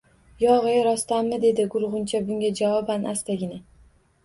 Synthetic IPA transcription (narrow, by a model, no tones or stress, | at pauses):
jɒʁɨjaɾɒst̪amːɪd̪e̞d̪ɪɡʊɾʁʊnt͡ʃʰabʊŋʲad͡ʒavɒbanʔast̪aɡʲɪnɪ